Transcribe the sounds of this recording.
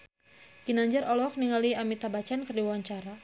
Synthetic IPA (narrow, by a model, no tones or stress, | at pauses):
kinaɲd͡ʒaɾɔlɔk̚niŋaliamit̪abat͡ʃankərdiwawaɲt͡ʃaɾa